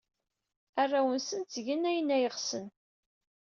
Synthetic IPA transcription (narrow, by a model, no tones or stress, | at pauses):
ærˤːawənsənt͡sʝənːæjənːæjəʁsən